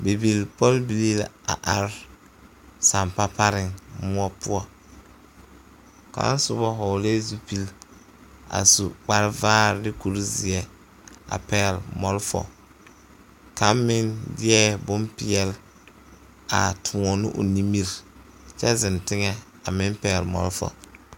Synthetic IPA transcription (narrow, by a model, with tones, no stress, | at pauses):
be˨bi˨lpɔ˦lbi˨li˦la̰˨ʔa˨ɾ | sa˨mpa˦pa˦ɾɪ˨ŋmʊ˦ɔ˦pʊ˦ɔ˨ | ka̰˦n˦sʊ˨˦bɔ˦ɦɔ˨le˦zu˦pi˦l | a̰˨su˨k͡pa˦ɾvaː˦ɾdɪ˦ku˨ɾzɪ˨ɛ˦ | a̰˨pɛː˦˨lmɔ˨lfɔ̰˨ | ka˦mmɪ˦ndɪ˦ɛ˦bʊ˦mpi˨ɛ˦l | a̰˨tʰʊ˨ɔ˨nɪ˦ʔʊ̰˨ni˦mi˦ɾ | t͡ʃɛ˦zɪ˨ntɪ˦ŋɛ˨ | a˨mɪ˦mpɛ˨lmɔ̰˨lfɔ̰˨